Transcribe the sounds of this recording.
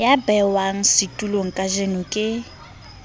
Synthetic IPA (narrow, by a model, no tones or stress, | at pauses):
jabɛwaŋ̩sɪtʼuloŋ̩kʼaʒenʊkʼɪ